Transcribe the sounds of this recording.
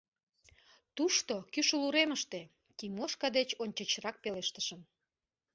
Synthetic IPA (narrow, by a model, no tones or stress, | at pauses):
t̪uʃt̪okyʃuluɾeməʃt̪e | kimoʃkɑd̪et͡ɕonʲt͡ɕət͡ɕrɑk̚peleʃt̪əʃəm